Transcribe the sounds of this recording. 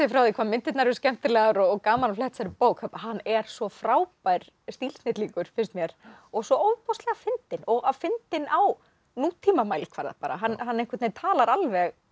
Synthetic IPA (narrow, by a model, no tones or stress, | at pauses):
ɪfɾawðɪkʰvaːmɪnt̪ɪt̪naɾʏscɛm̥t̪ɪlɛːɣɾɔkaːmalflɛht̪saɾɪpoːwkʰɛpaɦanːɛɾ̥sɔfɾaːwpajɾ̥ | st̪il̥snɪt̪liŋkʏɾ̥fɪn̥st̪mjɛɾ̥ɔɣsɔoːwpʰɔslɛɣafɪnt̪ɪnɔɣavfɪnt̪ɪnaw | nuːt̪ʰːimamajlɪ̥kʰva̰ɾða̰paːɾa̰ɦanɦanːɛehŋkvɛt̪nɪt̪ʰaːlaɾalvɛɣ